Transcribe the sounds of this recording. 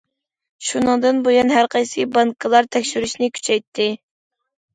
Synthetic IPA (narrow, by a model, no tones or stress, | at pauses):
ʃunɨŋd̪ɨnbojɑnɦæɾqʰɑjsɨbɑŋkʰəlˠɑɾt̪ʰɛkʲʃyɾyʃnɪkʲʰy̥t͡ʃʰɛjt̪ʰːɪ